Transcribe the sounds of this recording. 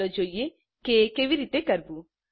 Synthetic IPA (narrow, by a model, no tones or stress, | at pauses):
ɐd͡ʒoje | kekeʋiɾiːt̪ekɐɾbu